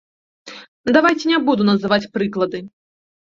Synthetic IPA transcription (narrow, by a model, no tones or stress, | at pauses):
d̪avajt͡sʲɛnʲɛbud̪unɐzɨvat͡sʲpɾɨklˠɐd̪ɨ